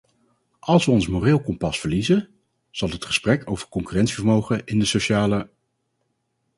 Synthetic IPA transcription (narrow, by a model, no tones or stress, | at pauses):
ɑlˠsʋəɔnsmorɪːlˠkɔmpɑsfəɹlizə | z̥ɑlˠɦətχə̥sprɛkʰo̰wvəɹkɔŋkyrɛntsivəɹmowχəɪndəsoʃaːlə